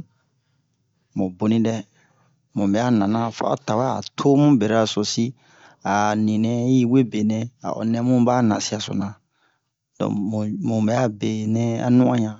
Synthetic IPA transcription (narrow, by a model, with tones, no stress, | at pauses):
mõ˨bo˨nĩ˦dɛ˦ | mũ˨bɛ˨a˦nã˨nã˦fa̰˦o̰˦ta˨wa˦a̰˨tʰo˦mũ˦be˨ɾa˨so˨si˦ | a˨nĩ˨nɛ̃˦ji˦we˦be˨nɛ̃˦a̰˨ʔɔ̰˨nɛ̃˦mũ˦baː˦nã˨si˦a˨so̰˨nã˨ | dɔ̰̃˨mũ˨bɛ˨a˦be˨nɛ̃˦a̰˦nũ˦ã˦ɲã˨